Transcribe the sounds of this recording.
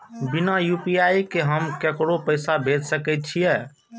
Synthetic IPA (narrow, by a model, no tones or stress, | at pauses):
binajupijajkeɦəmkekɽopəjsabʱed̪səkɛt̪̚t͡ʃʰijɛ